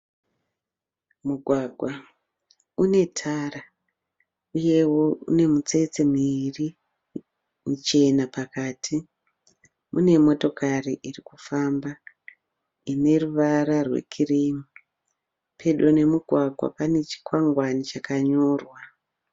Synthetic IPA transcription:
muɡʱwaɡʱwa | une̞tʰara | uje̞wo̞ṵne̞mut͡se̞t͡semiri | mut͡ʃe̞napakaːtʰi | mune̞mo̞to̞kariʔirikufamba | ine̞ruʋaɾarwḛkʰirimi | pʰe̞ɗone̞muɡʱwaɡʱwa̰pane̞t͡ʃi̥kwaŋɡwanit͡ʃakaɲo̞ːrwa

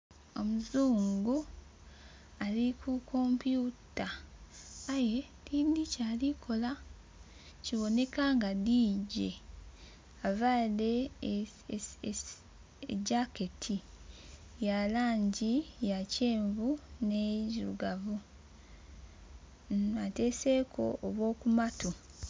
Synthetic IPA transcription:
o̞muzuːŋɡu | alikʰuko̞mpjutaː | je̞ | tinicaːlikʰo̞la | ciβo̞ne̞kaŋɡadiːɟe̞̰ | avaːle̞ | ḛɟake̞tʰi | jalaːɲɟijace̞ːɱvuneiluɡavu | ate̞se̞kʰo̞̰ʔːβwo̞ːkumatu

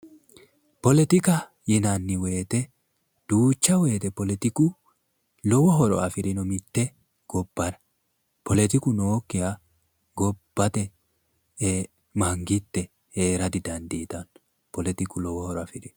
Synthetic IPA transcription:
pɔlɛt̪ɪkɐ | jɪnanːɪwe̞ːt̪ɛ | d̪̥uːt͡ʃːɐwe̞ːt̪ɛpɔlɛt̪ɪkʊ | lɔwɔɦɔɾɔ̰ɐfɪɾɪnɔmɪt̪ːɛ | ɡ̥ɔbːɐɾɐ | pɔlɛt̪ɪkʊnokːɪjɐ | ɡɔb̥ːɐt̪ɛ | mɐŋɡɪt̪ːɛ | heːɾɐd̪ɪd̪ɐnd̪iːt̪ɐn | pɔlɛt̪ɪkʊlɔwɔhɔɾɔɐfɪɾɪ

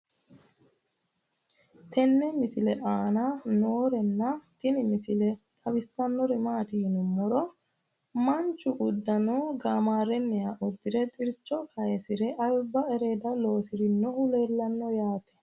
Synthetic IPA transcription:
t̪ɛnːɛmɪsɪlɛʔaːnanoːɾɛnːɐt̪ɪnɪmɪsɪlɛt̪ʼɐbɪsːɐnːɔɾɪmaːt̪ɪnʊmːɔɾɔ | mɐnt͡ʃʼːʊʔʊd̪ːɐnoːɡaːmaːɾɛnːɛjaːʔɔd̪ːɪɾɛt̪ʼɪɾt͡ʃːɔkɐjɛsɪɾɛʔɐlbɐɛɾeːd̪ɐlo̞ːsɪɾɪnːɔhʊleːlːɐnːɔjaːt̪ɛ̥

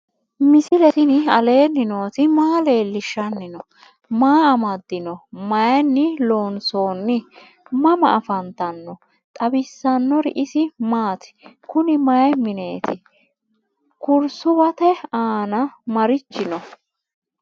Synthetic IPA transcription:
mɪsɪlɛt̪ɪnɪɐle̞ːnːɪno̞ːt̪ɪmaːle̞ːlːɪʃːɐnːɪnɔ | maːɐmɐd̪ːɪnɔmɐjnːɪlo̞ːnso̞ːnːɪ | mɐmɐ̰ɐfɐnt̪ɐnːɔ | t̪ʼɐbɪsːɐnːɔɾɪ̰ʔɪsɪmaːt̪ɪ̥kʊnɪmɐjmɪne̞ːt̪ɪ | kʊɾsʊbɐt̪ɛaːnɐmɐɾɪt͡ʃːɪnɔ

